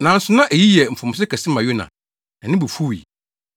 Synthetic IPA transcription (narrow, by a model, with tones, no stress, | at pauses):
nã˨˦n̩˦sʊ̃˨˦nã˦ʔæ˨ji˦jɛ˨m̩˨fʊ̃˨m̃˨s̬ɪ˦kʰɛ˨sɪ̃˦mã˨jʊ˦nã̰˨ | ɛ˨nɪ̃˦bu˨fu˦˨ḭ˨